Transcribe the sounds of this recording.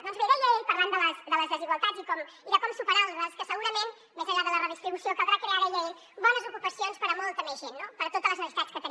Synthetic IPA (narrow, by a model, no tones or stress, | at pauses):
ðɔnzβeɾəʎejpɐɾlˠand̪ələsd̪ələzðəziɣwəlˠt̪ad͡zikɔmiðəkɔmsupəɾannəskəsəɣuɾəmen | mezəʎaðələrəð̞ist̪ɾiβusiokəβɾakɾeaɾəʎej | bɔnəzukupəsionspəɾəmɔlˠt̪əmezʒenːopəɾət̪ot̪ələznəβit̪at͡sskət̪ənim